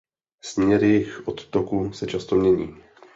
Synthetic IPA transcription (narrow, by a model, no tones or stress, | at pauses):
smɲɛɾɪjɪxʔot̪ːokusɛt͡ʃast̪o̞mɲɛɲḭː